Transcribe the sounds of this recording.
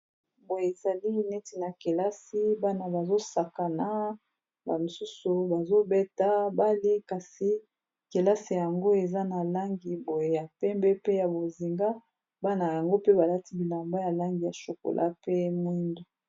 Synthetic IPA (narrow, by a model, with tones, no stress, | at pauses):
bo˨je˨e˨za˨li˦nɛ˦ti˨na˨ke˨la˦si˦ba˦na˨ba˨zo˦sa˨ka˨na˦ | ba˨mi˨su˦su˨ba˨zo˦bɛ˦ta˦ba˦li˦ka˨si˨ | ke˨la˦si˨ja˨ŋɡo˦e˨za˦na˨la˦ŋɡi˨bo˨je˨ja˨pɛ˦mbɛ˦pe˦ja˨bo˨zi˨ŋɡa˦ | ba˦na˨ja˨ŋɡo˦pe˦ba˨la˦ti˦bi˨la˨mba˦ja˨la˦ŋɡi˨ja˨ʃo˨ko̰˨lʔa̰˦pe˦mwi˦ndo˨